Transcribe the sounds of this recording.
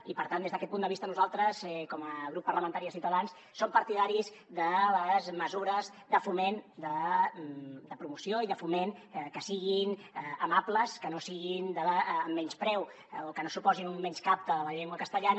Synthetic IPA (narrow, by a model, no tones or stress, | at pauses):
ipəɾt̪and̪ezðəkɛt̪pund̪əβist̪ənuzalˠt̪ɾəsɛkɔməɣɾupːəɾləmənt̪aɾiəs̬iwt̪əðans | sompəɾt̪iðaɾiz | ðələzməzuɾəz | ðəfumend̪ə | d̪əpɾumusioiðəfumenkəsiɣinəmapləskənosiɣind̪əːmːɛɲspɾɛw | okənosupɔzinummːɛɲskap̚t̪əələʎeŋɡwəkəst̪əʎan